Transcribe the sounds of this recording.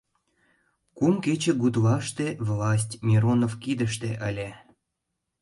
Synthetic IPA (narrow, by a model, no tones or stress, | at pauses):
kumket͡ɕĕɡud̪lɑʃt̪evlɑs̬ʲtʲmʲiɾonovkid̪ə̆ʃt̪eʔəlʲe